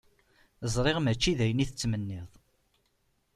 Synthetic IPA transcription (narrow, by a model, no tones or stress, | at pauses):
zˤɾˤeʁmæt͡ʃːiðæjəniθət͡sːmənːɪðˤ